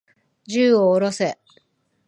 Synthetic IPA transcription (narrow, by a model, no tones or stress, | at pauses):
d͡ʑɨːoːɾo̞se̞